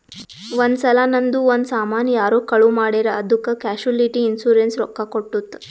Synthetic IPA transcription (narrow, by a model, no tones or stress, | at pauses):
ʋond̪sɐlɐnɐnd̪uond̪saːmaːnɐjaːɾoːkɐɭumaːɽeːɾɐɐd̪ʱukːɐkaːʃuliʈiːnsuːɾensɾɔkːakoʈːut̪ː